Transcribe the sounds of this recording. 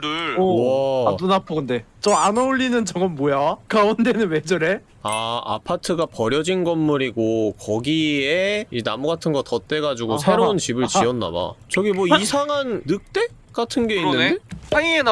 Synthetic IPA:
dɯʌdunapʰʌɡɯnde̞ | t͡ɕʌanʌuɭːinɯnt͡ɕʌŋɡʌnmojakaunde̞nɯnwe̞d͡ʑʌɾe̞ | aa̰pʰatʰɯɡapʌɾjʌd͡ʑinɡʌmːuɾiɡokʌɡieinamuɡatʰɯnɡʌtʌt͈e̞ɡad͡ʑuɡosʰe̞ɾount͡ɕibɯɭt͡ɕiʌnːa̰ba̰t͡ɕʌɡimwʌisʰaŋɦanːɯk̚t͈e̞ | k͈atʰɯnɡe̞inːɯndeaien

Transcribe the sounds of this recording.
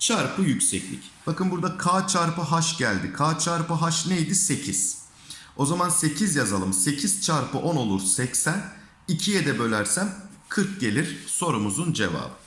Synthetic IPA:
t͡ʃʰaɾpʰɯjycʲsɛclʲḭcb̥akɯnbuɾd̪akʰaːt͡ʃʰaɾpɯɦaʃɟælʲd̪ikʰaːt͡ʃʰaɾpɯɦaʃnejd̪ise̞cʰiz̥ | o̞zamanse̞cʰizjazalˠɯmse̞cʰiz̥t͡ʃʰaɾpʰɯʔo̞no̞lˠuɾsɛcsæn | icʰijɛd̪ɛbø̞lʲæɾsænkʰɯɾk̚ɟe̞lʲiɾ̥so̞ɾumuzund͡ʒe̞̰va̰ːbɯ

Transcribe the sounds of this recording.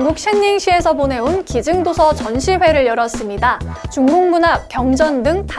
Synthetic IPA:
ŋɡuk̚ɕ͈ʰeɲːiŋɕʰie̞sʰʌpone̞onkid͡ʑɯŋdosʰʌt͡ɕʌnɕʰiɸwe̞ɾɯɭjʌɾʌs͈ɯmɲidat͡ɕuŋɡuŋbunap̚k͈jʌŋd͡ʑʌndɯŋpa

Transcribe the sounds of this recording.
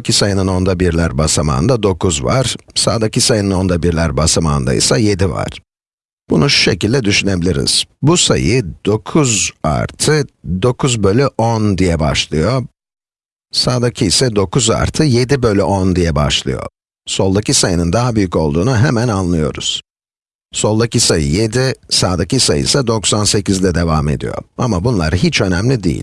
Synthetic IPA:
cʰisajɯnɯno̞nd̪abiɾlʲæɾbasama̰ːnd̪ad̪o̞kʰuzva̰ɾ̥sa̰ːd̪acʰisajɯnɯno̞nd̪abiɾlʲæɾbasamaːnd̪a̰ḭsaje̞d̪iva̰ɾ̥ | b̥unuʃu̥ʃe̞̰cilʲd̪ɛd̪yʃyne̞bilʲiɾḭz̥busa̰jɯd̪o̞kʰuza̰ɾt̪ʰɯd̪o̞kʰuzbølʲyʔond̪ijɛba̰ʃlˠɯjo̞ | saːd̪acʰiisɛd̪o̞kʰuza̰ɾt̪ʰɯje̞d̪ibø̞lʲyʔond̪ijɛba̰ʃlˠɯ̰jo̞̰ | so̞lˠd̪acisajɯnɯnd̪aɦabyjyco̞lˠd̪uːnuɦɛmænanlˠɯjo̞̰ɾṵz̥ | so̞lˠd̪acisajɯ̰je̞d̪isaːd̪acisajɯ̰sad̪o̞ksanse̞cizd̪ɛd̪e̞vame̞̰d̪ḭjo̰a̰mabunlˠa̰ɾɯɦit͡ʃø̞nɛmlʲid̪ḭjḭlʲ

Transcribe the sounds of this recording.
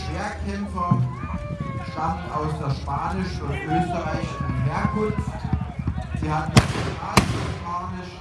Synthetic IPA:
eːɐkʰɛmfɐ | ʃtamn̩aʊsd̥eːɐʃpaːnɪʃʊtʔøːstəʁaɪçɪʃn̩ɦeːɐkʰʊnft | z̥iːhatn̩d̥aːsʃpʰaːnɪʃ

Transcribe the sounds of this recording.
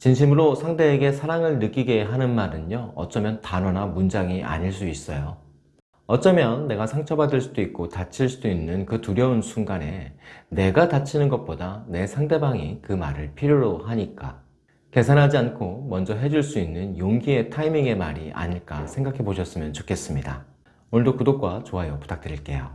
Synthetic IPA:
t͡ɕinɕ̬ʰimɯɾosʰaŋde̞ːɡe̞sʰaɾaŋɯɭnɯk͈iɡe̞ɦanɯnmaɾɯnjʌʌt͡ɕ͈ʌmjʌntanʌnamund͡ʑaŋiʔa̰ɲiɭs͈uis͈ʌjo | ʌt͡ɕ͈ʌmjʌnːe̞ɡasʰaŋt͡ɕʰʌbadɯɭs͈udoik̚k͈otat͡ɕʰiɭs͈udoinːɯnkɯtuɾjʌunsʰuŋɡane̞̰ne̞ɡatat͡ɕʰinɯnɡʌt̚p͈odane̞sʰaŋde̞baŋikɯmaɾɯɭpʰiɾjoɾoɦaɲik͈a̰ | ke̞sʰanɦad͡ʑiankʰomʌnd͡ʑʌɦe̞d͡ʑuɭs͈uinːɯnjoŋɡie̞tʰaimiŋe̞ma̰ɾiʔa̰ɲiɭk͈asʰe̞ŋɡakʰe̞boɕʰʌs͈ɯmjʌnt͡ɕokʰe̞s͈ɯmɲida̰ | onɯɭdokudok͈wat͡ɕoɦajopu̥t͈ʰak̚t͈ɯɾiɭk͈e̞jo

